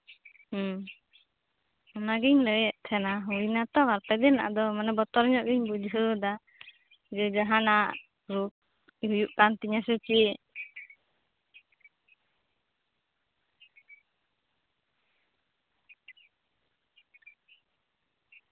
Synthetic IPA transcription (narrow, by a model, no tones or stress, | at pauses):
ɔnaɡiɲləjɛʔt̪ʰɛnaɦuinat̪ɔβaɾp̪ɛd̪ɛna̰ʔd̪ɔmanabɔt̪ɔɾɲɔʔɡiɲbud͡ʒɦud̪a | d͡ʒɔd͡ʒaɦanaʔ | ɾuk̚ | iɦujuʔkant̪iɲasut͡ʃi